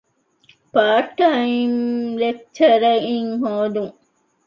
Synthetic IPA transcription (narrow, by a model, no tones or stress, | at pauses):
paːʈɐinɾet͡ʃːɐɾɐiŋɦoːd̪uŋ